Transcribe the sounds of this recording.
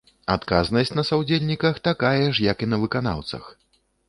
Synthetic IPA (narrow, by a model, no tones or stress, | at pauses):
at̪kaznɐsʲt͡sʲnɐsawd͡zʲelʲnʲikɐxt̪akajɐʂjɐkinɐvɨkana̰wt̪sɐ̰x